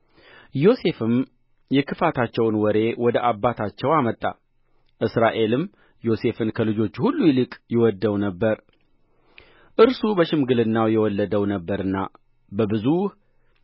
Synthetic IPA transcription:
jo̞se̞fɨm | jɛkʰɨfat̪ʰat͡ʃːɛwnwɔɾe̞wɔd̪əʔabːat̪ʰat͡ʃːɛwamət̪ʼːa̰ | ʔɨsɾaʔe̞lɨm | jo̞se̞fɨnkʰəlɨd͡ʒo̞t͡ʃːhulːujɛlɨkʼjɛwɔd̪ːəwnəbːəɾ | ʔɨɾsubəʃɪmɡɨlɨnːawjɛwɔlːəd̪əwnəbːəɾɨnːa̰ | bəbɨzuh

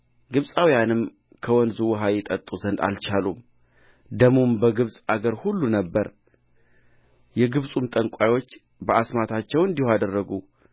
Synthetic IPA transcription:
ɡɨβsʼawijanɨm | kʰəwɔnd̪zuwɦajɛt̪ʼət̪ʼːuzənd̪a̰lt͡ʃʰalum | d̪əmumbəɡɨβsʼaɡəɾhulːunəbːəɾ | jɛɡɨβsʼumt̪ʼəŋkʷʼajwo̞t͡ʃː | bəʔasmat̪ʰat͡ʃːɛwɨnd̪ihoad̪ərːəɡu

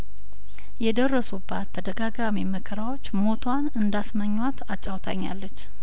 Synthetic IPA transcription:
jɛd̪ərːəsubːat̪ʰːəd̪əɡaɡamiməkʰəɾawo̞t͡ʃːmo̞t̪ʰwanɨnd̪asməɲːwat̪ʰat͡ʃʼːawt̪ʰa̰ɲːa̰lːət͡ʃː

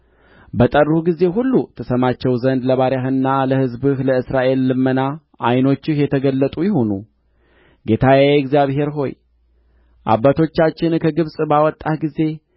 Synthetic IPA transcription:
bət̪ʼəruɡize̞ɦulːut̪ʰəsəmat͡ʃːɛwzənd̪ləβaɾjaɦɨnːaləhɨzbɨhləɨsɾaʔe̞lːɨmːəna | ʔajno̞t͡ʃːɪhjɛt̪ʰəɡəlːət̪ʼujɪho̞nṵ | ɡe̞t̪ʰajɛɡzjaβhe̞ɾɦo̞̰j | ʔa̰bːat̪ʰo̞t͡ʃːat͡ʃːɪnkʰəɡɨβsʼbawɔt̪ʼːahɡize̞

